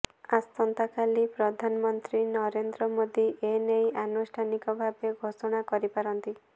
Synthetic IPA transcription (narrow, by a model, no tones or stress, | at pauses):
ast̪ɔnt̪akʰalipɾɔd̪ʱanɔmɔnt̪ɾinɔɾend̪ɾɔmod̪iʔenejʔanusʈʰanikɔbʱabeɡʱosɔɽ̃akɔɾipaɾɔnt̪i